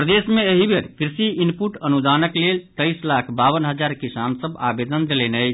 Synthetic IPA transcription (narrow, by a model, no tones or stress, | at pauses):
pɾəd̪esmeeɦibʱeɾkɾisiinpuʈənud̪anəklelt̪əjslakʰbaβənɦəd͡ʒaɾkisansəba̰bed̪ənd̪elɛnəjt͡ʃʰ